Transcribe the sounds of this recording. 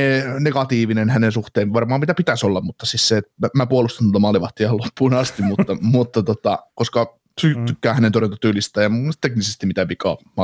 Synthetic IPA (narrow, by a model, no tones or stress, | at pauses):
eneɡɑt̪iːʋinenhænensuht̪eːmʋɑrmɑːmit̪æpit̪æsolːɑmmut̪ːɑsisseːt̪mæpuolust̪ɑnolt̪ɑmɑliʋɑht̪iɑlopʰːuːnɑst̪immut̪ːɑmut̪ːɑt̪ot̪ɑkoskɑ | t̪yt̪ykːæːhænent̪orent̪ɑt̪yːlist̪æjɑmut̪eknisest̪immit̪æpikɑ̰ːmɑ